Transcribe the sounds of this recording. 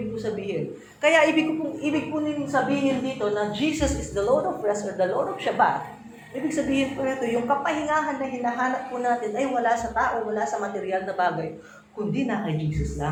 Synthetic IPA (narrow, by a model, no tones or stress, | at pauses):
ɪɡ̚kʊsɐbiːhɪn | kɐjaʔibɪɡ̚kʊpʊŋʔiːbɪɡ̚pʊnɪnsɐbiːhɪnd̪iːt̪o̞nɐd͡ʒiːsɐsɪsd̪ɐlod̪ovɹɛsɔɹd̪ɐlod̪ovʃɐba̰t | ʔiːbɪɡ̚sɐbiːhɪnpʊnɐt̪o̞jʊŋkɐpɐhɪŋaːɦɐnːɐɦɪnaɦaːnɐp̚ːʊnaːt̪ɪnɐjwɐlasɐt̪aːʔo̞wɐlasɐmɐt̪ɛɾɪjalnɐbaːɡɐj | kʊnd̪inɐʔɐjd͡ʒiːsɐslaŋ